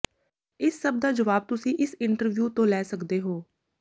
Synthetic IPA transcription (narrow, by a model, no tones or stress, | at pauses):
ɪsːəb̚d̪aːd͡ʒəʋaːb̚t̪ʊsĩːʔɪsɪɳʈəɾʋjuːt̪õːlɛːsəkd̪eːɦoː